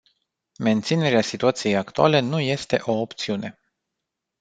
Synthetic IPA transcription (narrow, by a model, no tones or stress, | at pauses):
me̞nt̪sine̞ɾeasit̪uat̪sije̞jakt̪ua̰le̞nuje̞st̪e̞̰ʔo̞ːpt̪siune̞